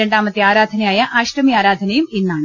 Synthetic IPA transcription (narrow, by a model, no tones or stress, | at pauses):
e̞ɳɖaːmɐt̪ːiaːɾaːd̪ʱɐnɐjaːjɐʔaːɕrɐmiaːɾaːd̪ʱɐnɐjuminːaːɳɨ